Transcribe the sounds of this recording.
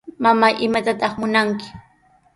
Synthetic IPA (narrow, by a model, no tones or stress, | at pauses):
mamaʔɪmat̪at̪ɑχmʊnaŋkɪ̥